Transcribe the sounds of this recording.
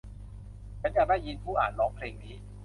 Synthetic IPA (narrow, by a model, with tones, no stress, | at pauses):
t͡ɕʰa˧˦˥ja˨˩daː˥˩jːi˧npʰuː˥˩ʔaː˨˩n̚lɔː˦˥ŋpʰleː˧ŋniː˧˥˩